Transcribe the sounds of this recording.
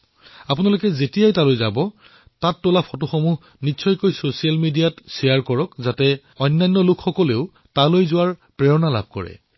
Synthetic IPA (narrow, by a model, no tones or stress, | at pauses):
apʊnalokɛzetijajtalojza̰bɔ | tatːolapʰɔtʊxɔmuɦ | nisʰɔjkojsosijalmidijatsɛjaɹkɔɹɔkzatɛ | ɔjnːajnːɔlʊkʰxɔkɔleʊ | talojzʊwaɹpɹeɹɔnala̰b̚ʱkɔ̰ɹɛ̰